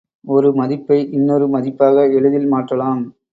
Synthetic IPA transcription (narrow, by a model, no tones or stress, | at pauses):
ɔɾɯmɐðɪpːɐɪʔɪnːɔɾɯmɐðɪpːaːɣɐɛɻɯðɪlmaːʈrɐlaːm